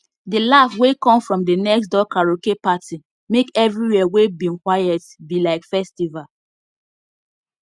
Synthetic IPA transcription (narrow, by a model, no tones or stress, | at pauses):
dəlafwekɔ̃mfɹɔ̃mdənɛksdɔkaɹokepatʰi | mekɛvɹiwɛwebĩŋkwajɛtbilaɪkfɛstival